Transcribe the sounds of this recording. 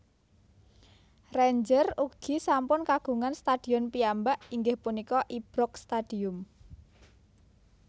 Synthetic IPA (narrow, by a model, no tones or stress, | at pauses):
reɲd͡ʒəruɡ̥i̤sampʊnkaɡ̥ṳŋanst̪ad̥i̤ɔnpiambaʔiŋɡɪhpunikɔʔib̥ɾɔkst̪ad̥i̤ʊm